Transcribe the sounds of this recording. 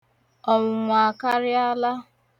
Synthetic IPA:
ɔ˨ŋʷʊ˨ŋʷa˨ka˦ɾɪ˦a˦la˦

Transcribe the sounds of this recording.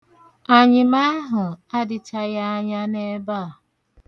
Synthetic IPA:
a˨ɲɪ˨ma˦ɦʊ˨a˦dɪ˨t͡ʃa˦ja˦a˦ɲa˦ne˦ba˦˨

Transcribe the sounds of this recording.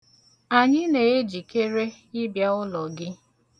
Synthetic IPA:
a˨ɲɪ˦ne˨e˦d͡ʒi˨ke˦ɾe˦ | ɪ˦bja˦ʊ˦lɔ˨ɡɪ˦

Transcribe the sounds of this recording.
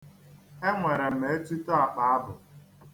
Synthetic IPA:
e˦ŋʷe˨ɾe˨me˨e˦tu˦tɔ˦a˨k͡pa˨a˦bʊ˨

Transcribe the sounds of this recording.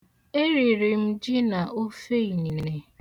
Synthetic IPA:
e˦ɾi˨ɾi˨m̩˦d͡ʒi˦na˨ʔo˦fe˦i˨ɲi˨n˨ne˨

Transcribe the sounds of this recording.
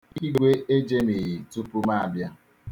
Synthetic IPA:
i˦ɡʷe˦ʔe˦d͡ʒe˦mi˨ji˨tu˦pu˦ma˦a˨bja˦

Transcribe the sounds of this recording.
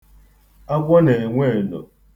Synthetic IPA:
a˦ɡʷɔ˦ne˨ŋʷe˦˨no̰˨

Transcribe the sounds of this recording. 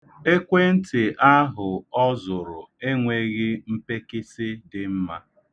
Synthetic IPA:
e˦kʷe˦n̩˦tɪ˨ʔa˦ɦʊ˨ɔ˦zʊ˨ɾʊ˨e˦ŋʷe˦ɣɪ˦m̩˦pe˦kɪ˦sɪ˦dɪ˨m̩˦ma̰˦

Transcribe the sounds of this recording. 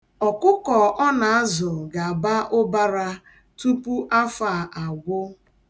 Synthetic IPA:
ɔ˨kʊ˦kɔ˨ʔɔ˦na˨a˦zʊ˨ɡa˨a˨ba˦ʔʊ˦ba˦ɾa˦ | tu˦pu˦ʔa˦fa˨ʔa˨ɡʷʊ˦

